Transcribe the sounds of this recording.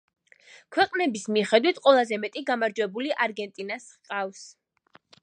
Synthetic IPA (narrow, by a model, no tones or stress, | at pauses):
kʰwɛqʼnɛbismiχɛd̪wit̪ʰqʼwɛlˠazɛmɛt̪ʼiɡamaɾd͡ʒwɛbuliʔaɾɡɛnt̪ʼinas | qʼafs